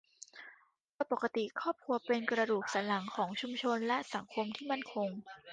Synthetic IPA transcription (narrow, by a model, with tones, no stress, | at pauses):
pʰɯ˥˩ɐpa˨˩ka˧t̪i˨˩kʰɔː˥˩p̚kʰu˧ɐpe˧nkɾa˧duː˨˩k̚sa˩˦la˩˦ŋkʰɔː˩˦ŋt͡ɕʰu˧mt͡ɕʰo˧nlɛ˦˥ʔsa˩˦ŋkʰo˧mt̪ʰiː˥˩ma˥˩nkʰo˧ŋ